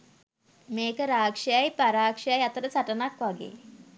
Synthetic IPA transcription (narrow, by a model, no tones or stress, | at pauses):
meːkəɾaːkʂejajpaɾaːkʂejajat̪əɾəsaʈənakʋaɡḛː